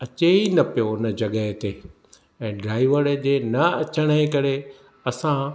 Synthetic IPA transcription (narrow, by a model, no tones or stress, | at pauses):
ɐt͡ɕeinɐpijoɪnəd͡ʑɐɠəɦt̪e | ɛ̃ːɖɾaːiʋəɾd͡ʑeːnɐɐt͡ɕəɽ̃əɦẽkɐɾe | ɐsã